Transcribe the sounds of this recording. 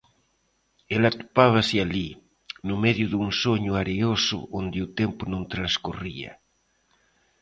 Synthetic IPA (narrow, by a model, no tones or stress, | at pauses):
elat̪u̥paβ̞aseali | numeðjuðunsoɲuaɾeosṵʔond̪iut̪empunõŋt̪ɾanskuria̰